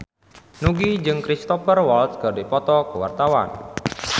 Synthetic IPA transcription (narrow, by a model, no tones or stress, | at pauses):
nuɡid͡ʒɨŋkɾist̪ɔfərwɔlt̪sɡ̥adepɔt̪ɔkəwa̰rt̪awa̰n